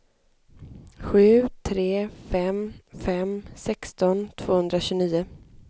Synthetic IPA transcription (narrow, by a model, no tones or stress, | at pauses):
ɧʉ̟ːt̪ʰɾeːfɛmfɛmsɛkst̪ɔnt̪ʰv̥oːhɵnd̪ɾaɕɵniːʊ